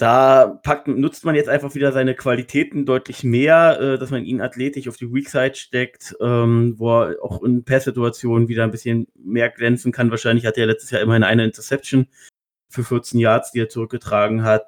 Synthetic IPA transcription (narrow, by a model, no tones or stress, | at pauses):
d̥aːpʰak̚tnʊt͡stmanjɛt͡stʔaɪnfaχv̥iːdɐzaɪnəkv̥alitʰɛːtn̩dɔʏtʰlɪçmeːɐʔɛːd̥asmanʔḭːnatleːtɪʃaʊfd̥iːwiːksaɪtʃtɛktʔɛːmvoːɛa̰ʊxɪnpʰɛsz̥ɪtuat͡sjoːnənviːdɐnbɪsçənmeːɐɡlɛnt͡sn̩kʰanvaːɐʃaɪnlɪçhateːɐlɛt͡stəsjaːɪmɐɪnəʔaɪnəɪntʰɐsɛp̚tson | fyːɐfɪɐt͡senjaɐt͡sd̥iːeːɐt͡suʁ̞ʏk̚ɡ̥ətʁ̥aːɡŋ̩ɦat